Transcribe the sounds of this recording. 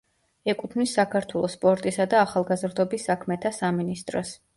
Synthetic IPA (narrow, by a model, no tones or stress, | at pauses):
ɛkʼut̪ʰmisːakʰaɾt̪ʰwɛlˠɔspʼɔɾt̪ʼisad̪aːχalˠɡazɾd̪ɔbisːakʰmɛt̪ʰasaminist̪ʼɾɔs